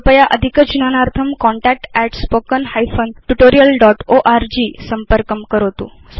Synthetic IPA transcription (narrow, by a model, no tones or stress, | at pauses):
pəjaʔəd̪ʱikət͡ʃunanaɾt̪ʰəmkɔɳʈɛk̚ʈɛʈspokənhajfʰonʈuʈoɾijəlɖɔʈoʔaɾd͡ʑisəmpəɾkəmkəɾot̪ṵ̃ | s